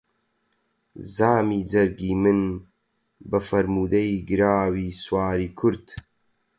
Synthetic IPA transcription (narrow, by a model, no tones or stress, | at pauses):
zaːmiːd͡zɐɾɡiːmɨn | bɐfɐɾmuːd̪ɐiːɡɨɾaːwiːswaːɾiːkʰʊɾd̪